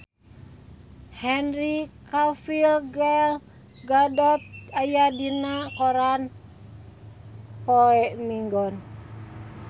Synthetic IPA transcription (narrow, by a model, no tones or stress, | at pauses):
hɛnrikafilɡɛl | ɡadɔt̪̚ajadinakɔɾan | poɛmiŋɡɔn